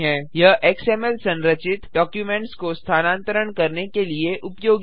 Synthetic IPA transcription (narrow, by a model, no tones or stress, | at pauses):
ɦɛ̃jɐɦʔeːkseːmɛlsɐ̃nɾət͡ʃɪt̪ɖɔːkjuːmẽɳʈskost̪ʰaːnãːnt̪əɾəɳkɐɾnekelieʔʊpjoːɡ